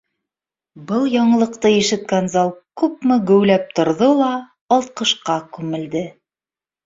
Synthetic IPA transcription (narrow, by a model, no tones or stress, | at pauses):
bɤlˠjɑɴɤ̆lˠɤ̆qt̪ɤjɘ̆ʃɘ̆t̪̚kænzɑlˠkʉp̚mɘɡɵ̆wlæp̚t̪ŏɾðolˠɑː | lˠt̪̚qɤ̆ʃqɑkʉmɘ̆ld̪ɘ